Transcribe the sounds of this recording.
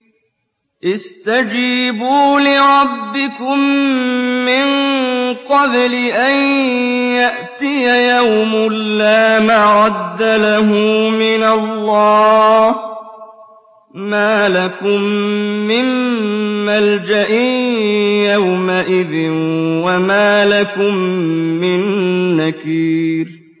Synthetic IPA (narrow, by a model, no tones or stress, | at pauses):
ʔɪst̪ad͡ʒiːbuːlɪɾˤɑbːɪkʊmː | ɪnqɑblɪʔanjaʔt̪ɪjajawmʊlːaːmaɾɑd̪ːalaɦʊmɪnalːɑːh | maːlakʊmːɪmː | ald͡ʒaʔi | jawmaʔɪðɪnwamaːlakʊmːɪnːakiːɾ